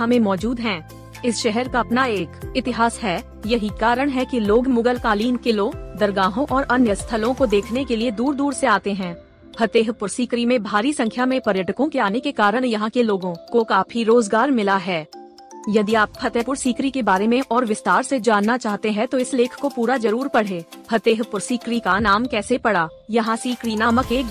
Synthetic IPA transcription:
ɦɐmẽmɔːd͡ʒuːd̪ɦɛ̃ː | ɪsʃɛɦɛɾkaɐpnaeːkɪt̪ɪɦaːsɦɛː | jɐɦikaːɾəɽ̃ɦɛkiloːɡmʊɡəlkaːliːmkɪlod̪ɐɾɡaːɦõʔɔːɾʔɐnjəst̪ʰəlõkod̪eːkʰnekelied̪uːɾd̪uːɾseaːt̪eɦɛ̃ː | hʰɐt̪eːɦpʊɾsiːkɾimẽbʱaːɾisɐ̃ŋkʰjamẽpɐɾjəʈəkõkeaːnekekaːɾəɽjɐɦãkeloːɡõkokaːpʰiɾoːzɡaːɾmɪlaɦɛː | jɐd̪iaːphɐt̪eːpʊɾsiːkɾikebaːɾemẽʔɔːɾʋɪst̪aːɾsed͡ʒaːnːat͡ʃaːɦt̪eɦɛ̃t̪oɪsleːkʰkopuːɾazɐɾuːɾpɐɽ̤eːhɐt̪eːɦpʊɾsiːkɾikanaːmkɛːsepɐɽaːjɐɦãsiːkɾiːnaːməkeːk

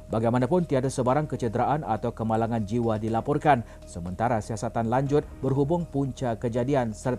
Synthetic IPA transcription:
baɡajmanapʊnt̪iadasəbaɾaŋkət͡ʃədəɾaʔana̰t̪awkəmalaŋand͡ʒiwadilapɔrkan | səmənt̪aɾasiasat̪anlaɲd͡ʒʊt̪̚bərɦubʊŋpuɲt͡ʃakəd͡ʒadiansər

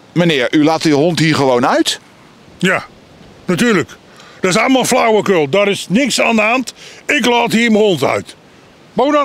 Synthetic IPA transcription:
mənɪːɹylaːtyɦɔntɦiːɹχəʋownœɥt | ja | natyːɹlək | d̥əɹɪsɑlˠməlˠflawəkøːlˠdɔɾɪsnɪksaːnaːntɪklaːtɦiːməhɔntœ̰ɥt | bown

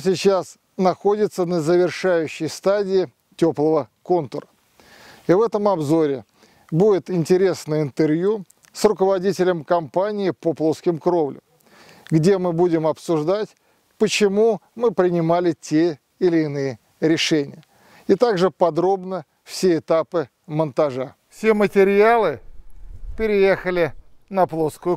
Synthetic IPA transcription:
sʲɪt͡ɕas | nɐxo̞dʲɪt̪sənəzəvʲɪrʂajʉɕːɪjst̪adʲɪɪ | tʲoplˠəvəko̞nt̪əɾə | ivɛt̪əmɐbzo̞ɾʲɪ | budʲɪt̪ɪnʲtʲɪɾʲe̞snəjɪnt̪ɨrvju | srʊkəvɐdʲitʲɪlʲəmkɐmpanʲɪɪpoplˠo̞skʲɪmkɾo̞vlʲʊ̰m | ɡdʲe̞mɨbudʲɪmɐpsʊʐd̪atʲ | pət͡ɕɪmumɨpɾʲɪnʲɪmalʲɪtʲe | ɪlʲɪːnɨjɪ | ɾʲɪʂɛnʲɪjə | ɪt̪aɡʐɨpɐd̪ɾo̞bnə | fsʲeɪt̪apɨ | mənt̪ɐʐa | fsʲemətʲɪɾʲalˠɨ | pʲɪɾʲɪje̞xəlʲɪnɐplˠoskʊjʊ

